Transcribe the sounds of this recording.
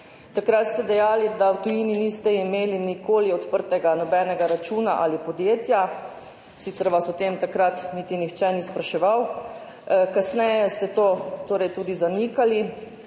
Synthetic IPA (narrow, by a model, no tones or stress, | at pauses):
t̪akɾat̪st̪ɛd̪ɛjaːlid̪awt̪ujininist̪ɛimeːlinikoːliɔt̪pəɾt̪ɛɡanɔbɛːnɛɡaɾat͡ʃuːnaʔalipɔd̪jeːt̪ja | siːt̪sɛɾʋasɔt̪emt̪akɾat̪nit̪inixt͡ʃɛnispɾaʃɛʋaw | kasnɛjɛst̪ɛt̪oːt̪oːɾɛjt̪uːd̪izanikali